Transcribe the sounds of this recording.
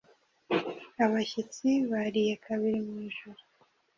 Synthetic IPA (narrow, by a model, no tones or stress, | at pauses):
aβaçit͡siβaɾijekʰaβiɾimŋiːʒuɾu